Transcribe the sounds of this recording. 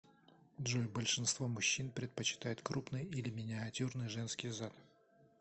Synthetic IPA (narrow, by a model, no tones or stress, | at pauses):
d̪ʐulʲbəlʲʂɨnst̪vomʊɕːinpɾʲɪt̪̚pət͡ɕɪ̥t̪ajɪt̪kɾupnɨjilʲɪmʲɪnʲɪɐtʲurnɨjʐɛnskʲɪjzat̪